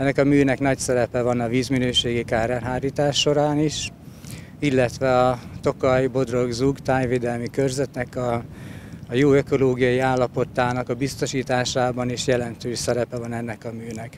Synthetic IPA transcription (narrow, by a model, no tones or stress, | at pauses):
ɛnːɛkɒmyːnɛknɒcsɛɾɛpɛvɒnɒviːzminøːʃeːɡikaːrɛnɦaːɾiːt̪aːʃːo̞ɾaːniʃ | ilːɛt̪ʋɛɒt̪o̞kɒjbo̞d̪ro̞ɡzuɡt̪aːɲveːd̪ɛlmikø̞rzɛt̪nɛkɒː | joːøko̞loːɡijɒjiaːlːɒpo̞t̪aːnɒkɒbist̪o̞ʃiːt̪aːʃaːbɒniʃjɛlɛnt̪øːʃsɛɾɛpɛvɒnɛnːɛkɒmyːnɛk